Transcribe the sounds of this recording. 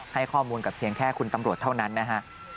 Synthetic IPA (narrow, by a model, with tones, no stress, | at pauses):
ha˥˩jkʰɔː˥˩muː˧nka˨˩pʰi˧əŋkʰɛː˥˩kʰu˧nt̪a˧mɾu˨˩ət̪ʰːa˥˩wna˦˥nːa˦˥kʰa˦˥ʔ